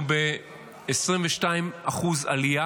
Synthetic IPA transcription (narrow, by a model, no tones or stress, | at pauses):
be | esʁimveʃtaimaχuza̰lia